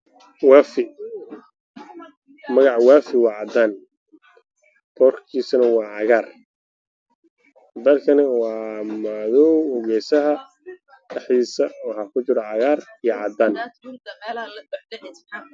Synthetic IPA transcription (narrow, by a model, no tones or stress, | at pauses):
wɑːfɪ | mɐɣɑʕwaːfɪwɑːʕɑd̪aːn | b̥ɔːrkʰiːsɐnɐwɑːʕɑɣaːr | bɛːlkʰɐnɪwɑːmaðɔwʊɣɛːjsɐɦɐ | dɛħðiːsɐwɑħɑːkʰʊt͡ʃɪɾɔʕɑɣaːrijɔʕɑd̪aːn